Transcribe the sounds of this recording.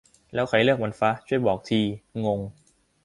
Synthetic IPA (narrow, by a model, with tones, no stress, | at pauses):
lɛː˦˥wxʰa˨˧˩lɯ˥˩ək̚ma˧nfa˦˥t͡ɕʰu˥˩əjbɔː˨˩k̚t̪ʰiː˧ŋo˧ŋ